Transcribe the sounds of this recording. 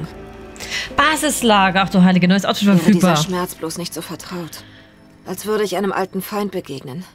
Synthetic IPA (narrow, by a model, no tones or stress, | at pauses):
b̥aːzɪslaːɡəɐaχd̥uːɦaɪlɪɡənɔjəsʔatfɪfɛɐfyːd̚ːb̥aɐːʃmɛɐt͡sb̥loːsnɪçtz̥oːfɛɐtʁ̥aʊt | ʔalsv̥ʏɐɾəɪçʔaɪnəmʔa̰ltn̩faɪnt̚b̥əɡeːɡnən